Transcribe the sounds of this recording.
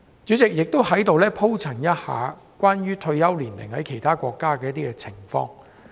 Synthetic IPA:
t͡ʃyː˨˥t͡sɪ˨k̚jɪ˨k̚t̪o˥whɐ˨˥jt̪o˨˧wlɛː˥pʰo˥wt͡sʰɐ˨˩ŋjɐ˥t̚ha̰ː˨ | kʷaː˥nɥyː˥t̪ʰɵ˧ɥjɐ˥wliː˨˩nlɪ̰˨˩ŋhɐ˨˥jkʰe˨˩jt̪ʰaː˥kʷɔː˧kːaː˥kɛː˧jɐ˥t̪̬iː˥kɛ˧t͡sʰɪ˨˩ŋfɔ̰ː˧ŋ

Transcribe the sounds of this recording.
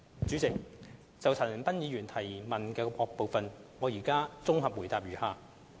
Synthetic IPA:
t͡syː˨˥t͡sɪ˨k̚ | t͡sɐ˨wt͡sʰɐ˨˩n˨˩npɐ˥njiː˨˧ɥyː˨˩nt̪ʰɐ˨˩jmɐ˨nkɛː˧pʰɔː˧k̚po˨wfɐ˨nŋɔː˨˧jiː˨˩kaː˥t͡sʊ˥ŋɦɐ˨p̚wu˨˩jt̪aː˨p̚jyː˨˩haː˨˩

